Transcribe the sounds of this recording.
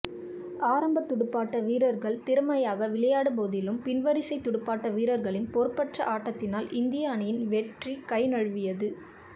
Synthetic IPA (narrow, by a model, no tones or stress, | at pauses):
aːɾɐmbɐt̪ːʊɽɯpːaːʈːɐʋiːɾɐɾɣɐɭt̪ɪɾɯmɐjaːɣɐʋɪɭɐjaːɽɯpoːðɪlɯmpɪnʋɐɾɪsɐɪt̪ːʊɽɯpːaːʈːɐʋiːɾɐɾɣɐɭɪnpɔɾɯpːɐʈrɐʔaːʈːɐt̪ːɪnaːlʔɪnd̪ɪjaːnɐjɪnʋɛʈrikɐɪnɐɻɯʋɪjɐðɯ